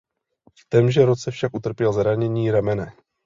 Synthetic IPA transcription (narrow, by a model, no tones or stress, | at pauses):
ft̪ɛmʒɛɾo̞t͡sɛfʃakʔut̪r̩pjɛlzɾaɲɛɲiːɾamɛnɛ